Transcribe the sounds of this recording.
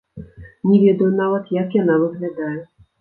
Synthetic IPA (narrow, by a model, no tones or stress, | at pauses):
nʲɛvʲɛd̪ɐjunavɐt̪jakjanavɨɣlʲad̪ajɛ